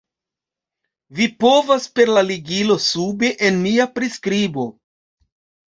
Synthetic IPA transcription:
vipo̞vaspe̞ɾlaliɡilo̞sube̞ʔenmiapɾiskɾibo̞

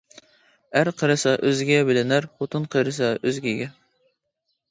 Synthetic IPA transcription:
æɾqʰəɾɨsɑʔøzɡʲɛbɪlɪnæɾpot̪ʰɨnqʰəɾɨsɑøzɡʲɛɡʲɛ

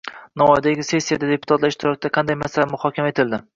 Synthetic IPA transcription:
naɒjd̪aɡʲɪse̞sːijad̪ad̪e̞pʰʊ̥t̪ʰat̪laɾɪʃt̪ɪɾɒkʲɪd̪aqʰɑnd̪ajmasalamʊhɒkʲʰamae̞t̪ʰɪld̪ɪ

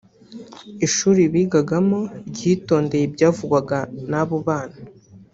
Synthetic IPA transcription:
iʃuːɾiβiːɡaɡamo̞bɟiːto̞ːnde̞jebɟaːvuɡwaɡanaβuβaːna

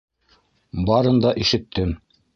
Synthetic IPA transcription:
bɑɾɤnd̪ɑʔiʃɘ̆t̪ːɘm

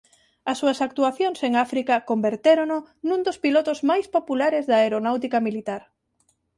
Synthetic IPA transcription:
ɐsːuɐsak̚t̪uaθjoŋseŋafɾikɐkombeɾt̪eɾononũnd̪ospilot̪ʊzmajspopulaɾezðɐeɾonawt̪̬ikɐmilit̪aɾ

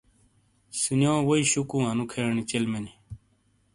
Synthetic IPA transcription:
sinjõːwoiɕukũːɦɐnukʰenit͡ɕelmeni

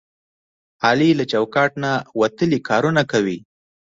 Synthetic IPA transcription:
ɑlilat͡ʃawkɑʈnawat̪əlikɑɾunakawi

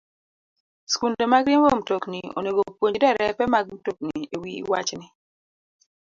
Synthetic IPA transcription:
skundomaɡɾimwom̩toknio̰neɡopwoɲdɛɾɛpɛmaɡ̚m̩tok̚niewḭwat͡ʃnɪ

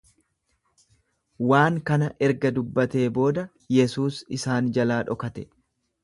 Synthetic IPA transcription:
waːŋkɐnɐʔɛɾɡɐd̪ʊbːɐt̪e̞ːbo̞ːd̪ɐ | jɛsuːsɪsaːnd͡ʒɐlaːᶑɔkɐt̪ɛ̥

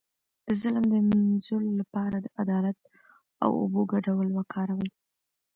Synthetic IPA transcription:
d̪̥əzɪlmd̪əminzololapɑɾad̪əʔad̪ɑlat̪ | a̰wo̰boɡaɖawlwakʰɑɾawəj

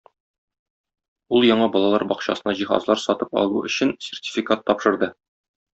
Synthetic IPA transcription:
ulˠjɒɴɑbɒlˠɑlˠɑɾbɒqɕɑ̰sɤ̆nɑʑiχɑ̰zlˠɑɾsɒt̪ɤpɒ̰lˠuɵ̆ɕɘnsʲertʲi̥fʲikat̪ːɒpʃɤ̆ɾd̪ɤ

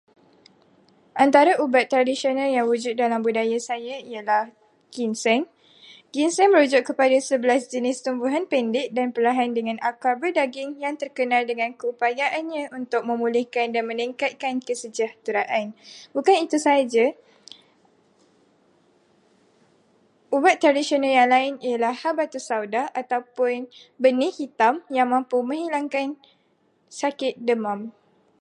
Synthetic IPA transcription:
ʔant̪aɾaʔubat̪ːɾadisionãljaŋwud͡ʒʊt̪̚dalambudajasajaialah | ɡ̥insɛŋ | ɡinsɛŋməɾud͡ʒʊʔkəpadasəbəlasd͡ʒənɪst̪umbuɦanpɛndɪʔ̚danpəlaɦandəŋãnʔakabərdaɡɪŋjaŋt̪ərkənãldəŋãnkəupajaʔanɲãunt̪ʊk̚mə̃mulɪhkandanmə̃niŋkat̪̚kankəsəd͡ʒaht̪uɾaʔanbukanit̪usad͡ʒa | ʔubaʔ̪ɾadisionaljaŋlaɪnialahhabat̪usawdaʔat̪awpʊnbənihit̪amjaŋmãmpumə̃ŋɦilaŋkan | sakɪt̪̚dəmãm

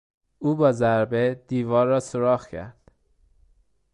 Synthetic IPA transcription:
uːbɒːzæɾbed̪̥iːvɒːɾːɒːsoɾɒːχcʰæ̰ɾd̪̥

